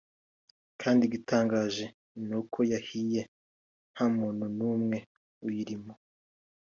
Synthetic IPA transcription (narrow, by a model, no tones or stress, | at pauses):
kʰaːndiɡitʰaːŋɡaːʒe̞ | nokʰo̞jahije̞ | nhamuːn̥hunuːmŋe̞ | ujiɾimo